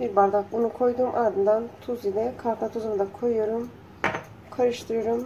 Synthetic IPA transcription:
biɾbaɾd̪akbunukʰo̞jd̪uːmʔaɾd̪ɯnd̪ant̪ʰuzid̪ɛkʰaɾt̪ˠat̪ʰuzannd̪akʰojoɾum | kʰaɾɯʃt̪ʰɯɾɯjoɾum

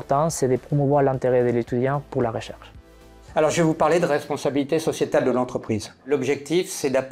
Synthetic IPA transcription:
ʁt̪ɑ̃sɛd̪əpχɔmuvwaʁlɛ̃nt̪eʁɛd̪əlet̪yd̪jɑ̃puʁlaʁəʃɛʁʃ | alɔʁʒevupaʁled̪əʁɛspɔ̃sabilit̪esɔsjet̪ald̪əlɑ̃t̪χəpχizlɔbʒɛk̚t̪ifsɛd̪ap

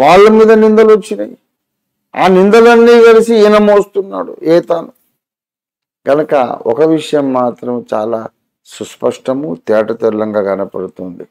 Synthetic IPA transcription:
ʋaːɭːɐmiːd̪ɐnind̪ɐlot͡ʃːini | a̰ːnind̪ɐlɐnːiːɡɐlisinɐmoːst̪unːa̰ːɽṵɛːt̪aːnu | ɡ̥ɐnɐkɐ̰ɔ̰kɐʋiʂɐjɐmːaːt̪ɾɐmt͡ʃaːlaː | suspɐʂʈɐmut̪ɛːʈɐt̪ɛlːɐŋɡaːɡɐnɐpɐ̰ɽut̪oːnd̪i

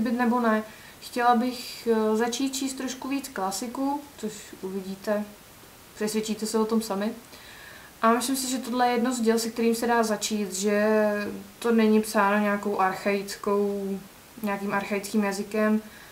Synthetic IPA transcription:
bɪt̪nɛbo̞nɛ | xcɛlabɪxzat͡ʃiːt̪̚t͡ʃiːst̪ːɾo̞ʃkuviːt͡sklasɪkut͡soʃʔuvɪɟiːt̪ɛ | pr̥ɛsvjɛt͡ʃiːt̪ɛsɛvot̪o̞msamɪ | ʔamɪslɪmsɪʒɛt̪o̞dlɛjɛjɛdnozɟɛlsɛk̚t̪ɛɾiːmsɛdaːzat͡ʃiːt̪ʒɛ | t̪o̞nɛɲipsaːnoɲɛako̞wʔaɾxajɪt͡sko̞w | ɲɛakiːmʔaɾxajɪt͡skiːmjazɪkɛm

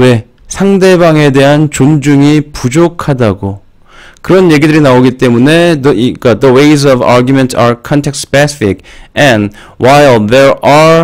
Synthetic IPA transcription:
we̞ | sʰaŋde̞baŋe̞de̞ɦant͡ɕond͡ʑuŋipud͡ʑokʰadaɡo | kɯɾʌnje̞ɡidɯɾinaoɡit͈e̞mune̞dik͈adəwejz̬ʌba̰ɾɡjumentsaɾkʰʌntʰeksspesi̥fikɛ̃n | wʔajlðeɹa

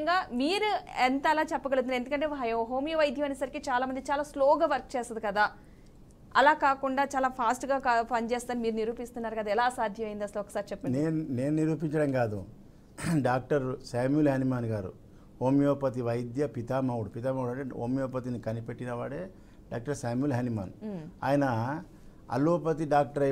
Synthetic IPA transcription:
ŋɡaːmiːɾuɛnt̪ɐlaːt͡ʃɛpːɐɡɐɽut̪unɾe̞nd̪ukɐɳʈe̞ːjɦoːmijɐʋɐjd̪ʱjɐmɐnesɐɾikit͡ʃaːlaːmɐnd̪it͡ʃaːlaːsloːɡɐʋɐɾk̚t͡ʃeːst̪ɐd̪ikɐd̪aː | ɐlaːkaːkuɳɖaːt͡ʃaːlaːpʰaːsʈɡaːkpɐnt͡ʃeːst̪aːnimiːɾuniɾuːpist̪unːaːɾukɐd̪aɛlaːsaːd̪ʱjɐmɐjind̪ɐsɐluɔkɐ̥saːɾit͡ʃɛpːɐneːnune̞ːnuniɾuːpiɲt͡ʃɐɽɐmɡaːd̪ṵ | ɖaːk̚ʈɐɾsaːmjulɦanimaːnɡaːɾṵ | oːmijɔːpɐt̪iʋɐjd̪jɐpit̪aːmɐwuɽupit̪aːmɐwuɽɐɳʈeoːmijɔːpɐt̪̬inikɐnipeʈːinɐʋaːɽeː | ɖaːk̚ʈɐɾsaːmulɦanima̰ːna̰ːjɐnɐ | ɐ̰loːpɐt̪iɖaːk̚ʈɐɾɐ

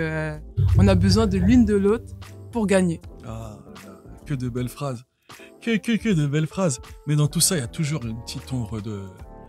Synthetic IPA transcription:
ɔ̃nabəzwɛ̃d̪əlynd̪əlot̪χpuʁɡaɲeaakʲəd̪əbɛlfχaz | kəkəkʲəd̪əbɛlfχazmɛd̪ɑ̃t̪usailjat̪uʒuʁynpt̪ʰit̪ɔ̃bʁəd̪ə

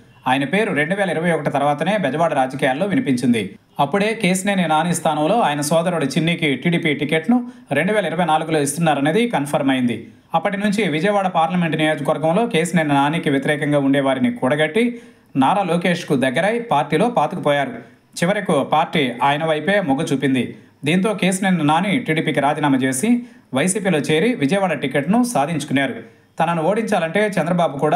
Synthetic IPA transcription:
aːjɐnɐpe̞ːɾuɾe̞ɳɖuʋɛːlɐiɾɐʋɐjɔkɐʈit̪ɐɾʋaːt̪ɐne̞ːbɛd͡ʒɐʋaːɽɐɾaːd͡ʒɐkijaːlːo̞ːʋinipiɲt͡ʃind̪i | ɐpːuɽe̞ːke̞ːsineːninaːniːst̪ʰaːnɐmlo̞ːaːjɐnɐsɔːd̪ɐɾuɽɐt͡ʃinːiːkiʈiːɽiːpiːʈike̞ːʈnu | ɾe̞ɳɖuʋɛːlɐiɾɐʋɐjnaːluɡulo̞ːist̪unːaːɾɐneːd̪ikɐnpʰɐɾmɐjind̪i | ɐpːɐʈinuɲt͡ʃiʋid͡ʒɐjɐʋaːɽɐpaːɾlɐme̞ɳʈnijo̞ːd͡ʒɐkʋɐɾɡɐmlo̞ːke̞ːsineːninaːniːkiʋjɐt̪iɾɛːkɐŋɡaːuɳɖɛːʋaːɾinikuːɽɐɡɐʈːi | naːɾaːloːke̞ːʂkud̪ɐɡːɐɾɐjpaːɾʈiːlo̞ːpaːt̪ukupɔːjaːɾu | t͡ʃiʋɐɾɐkupaːɾʈiːaːjɐnɐʋɐjpe̞ːmɔɡɐt͡ʃuːpind̪i | d̪iːnt̪̬o̞ːke̞ːsinennɐnaːniːʈiːɽiːpikiɾaːd͡ʒiːnaːmɐt͡ʃe̞ːsiʋɐjsiːpiːlo̞ːt͡ʃe̞ːɾiʋid͡ʒɐjɐʋaːɽɐʈikeʈnusaːd̪ʱiɲt͡ʃu̥kunːaːɾu | t̪ɐnɐnuoːɽiɲt͡ʃaːlɐɳʈe̞ːt͡ʃɛnd̪ɾɐbaːbukuːɽaː

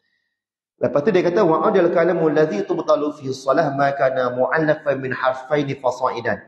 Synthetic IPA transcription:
ləpat̪udiakat̪awaʔadalkalamalːaðit̪ʊbt̪ˤɑlufihɑsˤːɔlahmakaːnamʊʕalːafanmɪnħɑrˤfajnifɑsˤɑːʔɪdan

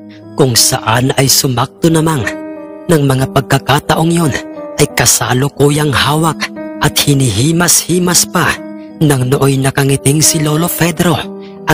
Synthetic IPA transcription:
kʊŋsɐʔanɐjsʊmak̚t̪onɐmaŋnɐŋmɐŋapɐɡ̚kaɡ̚kat̪ɐʔoŋjo̞nʔɐjkɐsaːlokuːjaŋhaːwak̚ʔɐt̪̚hɪniɦiːmashiːmaspa | nɐŋnoʔojnɐkɐŋɪt̪ɪŋsɪloːlo̞fɛd̪ɾo̞ | ʔɐ

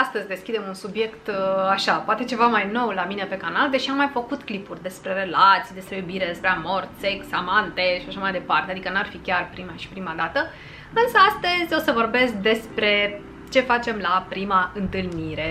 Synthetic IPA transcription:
ast̪əzʲd̪e̞skʲid̪e̞munsubje̞kt̪aʃapoat̪e̞t͡ʃe̞vamajno̞wlamine̞pe̞kanald̪e̞ʃiamːajfəkut̪klipurʲd̪e̞spɾe̞ɾe̞lat̪sijd̪e̞spɾe̞jubiɾe̞d̪e̞spɾe̞amo̞rt̪se̞ksamant̪e̞ʃiaʃamajd̪e̞part̪e̞ad̪ikənuarfikʲarpɾimaʃi̥pɾimad̪at̪ə | ɨnsəast̪əzʲo̞səvo̞rbe̞sk̚d̪e̞spɾe̞ | t͡ʃe̞fat͡ʃe̞mlapɾimaɨnt̪ɨlniɾe̞

